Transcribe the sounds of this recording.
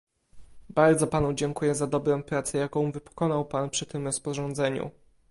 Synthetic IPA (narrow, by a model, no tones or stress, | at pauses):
baɾd̪zɔpanud͡ʑɛŋkujɛzad̪ɔbɾɔ̃w̃pɾat̪sɛjakɔ̃w̃vɘpɔ̥kɔnawpanpʂɘt̪ɘmɾɔspɔʐɔnd̪zɛɲṵ